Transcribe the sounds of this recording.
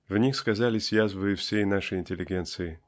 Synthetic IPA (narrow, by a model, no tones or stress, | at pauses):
vnʲixskɐzalʲɪsʲjazvɨjɪfsʲejnaʂɨjɪnʲtʲɪlʲːɪɡʲent̪sɨɪ